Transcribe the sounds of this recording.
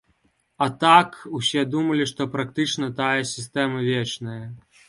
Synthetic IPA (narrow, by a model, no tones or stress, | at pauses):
ɐt̪akusʲɛd̪umɐlʲiʂt̪ɔpɾakt̪ɨt͡ʂnɐt̪ajɐsʲist̪ɛmɐvʲet͡ʂnɐjɐ